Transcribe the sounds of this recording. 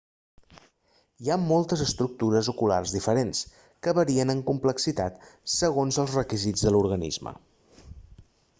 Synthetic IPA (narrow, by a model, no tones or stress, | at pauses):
iamolˠt̪əzəst̪ɾuk̚t̪uɾəzukula̰rzðifəɾens | kəβəɾiənəŋkumpləksit̪at̪səɣ̞onzəlˠzrəkizid͡zðəluɾɣənḭzmə̰